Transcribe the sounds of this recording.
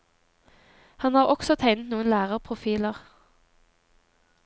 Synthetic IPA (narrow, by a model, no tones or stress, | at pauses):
hɑnhɑːʁɔksɔt̪ʰæɪnət̪nuːənlæːʁəʁpʰʁʊfiːləʁ